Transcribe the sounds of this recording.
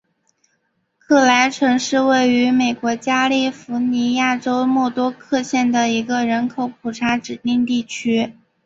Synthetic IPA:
kʰɤ˥˩la˧˥ɪʈ͡ʂʰɤ˧˥ŋʂɻ̩˥˧we˥˩ɪy˧˥me˨˩ɪkwɔ˧˥t͡ɕja˥li˥˩fu˧˥ni˧˥ja˥˩ʈ͡ʂo˥ʊmɔ˥˩t̪wɔ˥kʰɤ˥˧ɕjɛ˥˩nd̪ə˩i˧˥ɡə˧ɻə˧˥nkʰo˨˧˥ʊpʰu˨˩ʈ͡ʂʰa˧˥ʈ͡ʂɻ̩˨˩t̪i˥˧ŋt̪i˥˩t͡ɕʰy˥

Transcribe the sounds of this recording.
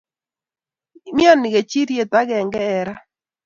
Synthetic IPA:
mja˦˨nɪ˨ɣe˨t͡ʃi˦ɾje˨ta˦ɣɛ˨ŋɡɛː˦˨ɾa˦

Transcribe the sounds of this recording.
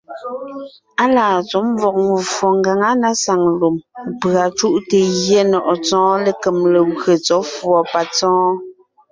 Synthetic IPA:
a˦laː˨t͡sɔ˨˦m˦vɔ˨k̚ŋu˨fɔ˨ŋɡa˨ŋa˦na˦sa˨ŋlu˨m˨pɰa˨t͡ʃu˦ʔte˨ɣjɛ˦nɔ˨ʔɔ˨t͡sɔ̃ː˦le˦˨ke˨mle˨ɣɰe˨t͡sɔ˨˦fwɔ˨pa˨t͡sɔ̃ː˦

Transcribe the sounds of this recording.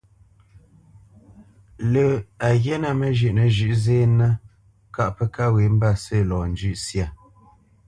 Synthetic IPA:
lə˨a˨ɣjɛ˦na˦˨mə˨ʒʉ˦˨ʔnə˨ʒʉ˦ʔzeː˦na˦ | ka˦ʔpə˦ka˦we˨˦m̩˦ba˦˨sə˦˨lɔː˨n̩˨d͡ʒʉ˦ʔsja˦˨

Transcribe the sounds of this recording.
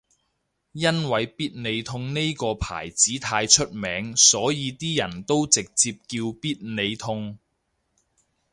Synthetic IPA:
jɐ˥nwɐ˨˧jpiː˥t̚ne˨˧jt̪ʰʊ˧ŋne˥jkɔː˧pʰa̰ː˨˩jt͡siː˨˥t̪ʰaː˧jt͡ʃʰɵ˥t̚mɛː˨˧ŋsɔː˨˥jiː˨˧t̪iː˥jɐ˨˩nt̪o˥wt͡sɪ˨k̚t͡siː˧p̚kiː˧wpiː˥t̚ne˨˧jt̪ʰʊ˧ŋ

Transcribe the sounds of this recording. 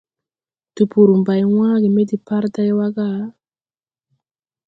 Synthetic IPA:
tu˨pu˨ɾu˨mba˨jŋwaː˦ɡi˨me˦di˨pa˦ɾta˦jwa˦ka˦˨

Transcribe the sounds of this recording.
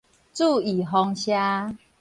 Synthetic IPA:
t͡su˥˧˨i˨˩ɦɔ˧ŋɕja˦

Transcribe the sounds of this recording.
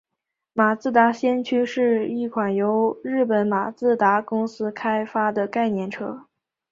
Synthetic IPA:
ma˨˩t͡sɹ̩˥˩t̪a˧˥ɕjɛ˥nt͡ɕʰy˥ʂɻ̩˥˧i˥˩kʰwa˨˩njo˧˥ʊɻɻ̩˥˩pə˧˥nma˨˩t͡sɹ̩˥˩t̪a˧˥kʊ˥ŋsɹ̩˥kʰa˥ɪfa˥d̪ə˨ka˥˧ɪnjɛ˥˩nʈ͡ʂʰɤ˥

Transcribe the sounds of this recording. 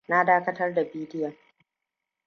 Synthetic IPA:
na˦daː˦kɐ˦tɐ˦rda˨biː˦dɪ˦ja˨

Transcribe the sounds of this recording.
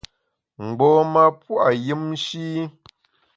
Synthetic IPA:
ŋ͡m̩˨ɡ͡bɔː˨ma˦pwa˨jɨ˦mʃi˦

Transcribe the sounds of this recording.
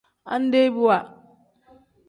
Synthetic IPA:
ʔa̰˦n˦de˦bu˦wa˨

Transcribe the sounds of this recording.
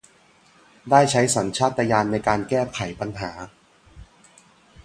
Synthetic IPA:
daː˥˩jt͡ɕʰa˦˥jsɔ˩˦nt͡ɕʰaː˥˩t̪ːa˧jaː˧nːa˧jkaː˧nkɛː˥˩kʰa˩˦jpa˧nɦaː˩˦

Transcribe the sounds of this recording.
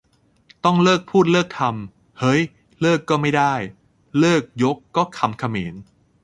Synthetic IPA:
t̪ɔ˥˩ŋlɤː˥˩k̚pʰuː˥˩t̪̚lɤː˥˩k̚t̪ʰa˧m | hɤ˦˥j | lɤː˥˩kːɔː˥˩ma˥˩jda˥˩j | lɤː˥˩k̚jo˦˥kːɔː˥˩kʰːa˧mkʰa˧meː˩˦n

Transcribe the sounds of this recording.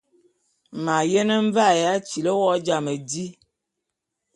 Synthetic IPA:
ma˨jɛ˦nə˦ɱ˦va˦˨ja˦t͡ʃi˨lə˦wɔ˦d͡ʒa˨mə˨di˦

